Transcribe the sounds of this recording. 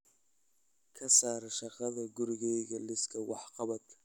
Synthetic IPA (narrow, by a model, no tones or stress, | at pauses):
kʰɐsaːɾɐʃɑqɐðɐɡʊɾɪɣɛjɣɐlɪskʰɐwɑħqɑβɐd̪